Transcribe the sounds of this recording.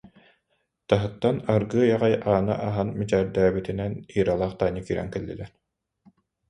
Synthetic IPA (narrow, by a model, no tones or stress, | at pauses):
t̪aɦɯt̪ːanaɾɡɯːjaʁajaːnɯ̰ʔaɦanmit͡ɕæːɾd̪æːbit̪inɛniːɾalˠaːχt̪aːnikiːɾɛ̰ŋkɛlːḭlɛɾ